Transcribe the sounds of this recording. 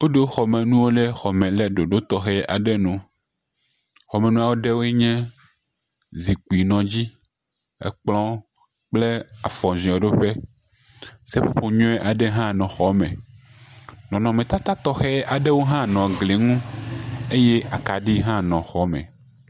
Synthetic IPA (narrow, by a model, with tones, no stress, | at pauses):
wo˦ɖo˦xɔ˨mɛ̃˨nũ˦wo˦le˦xɔ˨mɛ̃˨lɛ˨ɖo˨ɖo˦t̪ɔ˨xɛ˦ʔa˨ɖɛ˦nũ˦ | xɔ˨mɛ̃˨nũ˦a˦wo˦ɖe˦wo˦ɛ˦ɲɛ̃˦ | zi˨k͡pu˨i˨nɔ̃˨d͡ʑi˦ | ḛ˦k͡plɔ̃˦ | k͡ple˦a̰˨fɔ̃˨zĩ˨ɔ̃˨ɖo˦ɸe˦ | se˦ɸo˦ɸo˦ɲɔ̃˦ɛ˦ʔa˨ɖe˦ɦã˦nɔ̃˨xɔ˨mɛ̰̃˨ | nɔ̃˨nɔ̃˨mɛ̃˨t̪a˦t̪a˦t̪ɔ˦xɛ˦a˨ɖe˦wo˦ɦã˦nɔ̃˨ɡle˨ŋũ˦ | e˦je˦ʔa˨ka˨ɖi˦ɦã˦nɔ̃˨xɔ˦mɛ̰̃˨